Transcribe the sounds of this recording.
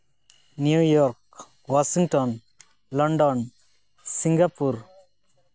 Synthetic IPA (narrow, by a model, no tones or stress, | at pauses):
njujɔɾk | wasiŋʈɔn | lɔɳɖɔn | siŋɡapuɾ